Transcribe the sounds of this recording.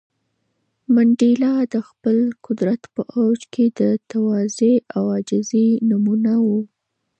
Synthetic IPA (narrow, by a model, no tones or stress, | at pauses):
maɳɖilɑd̪əxpəlkʊd̪ɾat̪pəʔawd͡ʒkʰed̪ət̪awɑzeawɑd͡ʒɪzenumunawu